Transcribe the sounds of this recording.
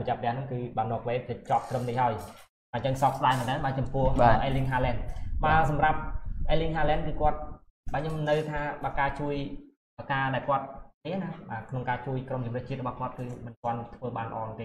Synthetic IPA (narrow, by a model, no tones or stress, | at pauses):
pət͡ɕɛ̆əp̚ʰːənɛəhnɨŋkɨːɓaːnɔ̆ək̚ʋeːpʰət͡ɕŏp̚t̪rəmnihaəj | ɓaːt͡ɕəŋsɑp̚sɗaɛmənːaːnɓaːt͡ɕɑmpʊ̆əhaʔaliŋɦaːlɛnɓaːsɑmrap̚ʔaliŋɦaːlɛnkɨːkŏət̪̚ | ɓaːɲomnɨwt̪ʰaːɓaːkaːt͡ɕuəj | ʔəkaːɗaɛlkŏət̪̚niənahɓaːkʰnoŋkaːt͡ɕuəjkromt͡ɕumrɨ̆ːəht͡ɕiət̪̚rɔɓɑhkŏət̪̚kɨːmɨnkŏənt̪ʰʋəːɓaːnlə̰̆ʔɑːnt̪eː